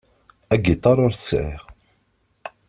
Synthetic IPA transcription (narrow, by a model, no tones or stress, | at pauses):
æɡit̪ˤːɑɾˤʊɾθəsʕɪ̰ʁ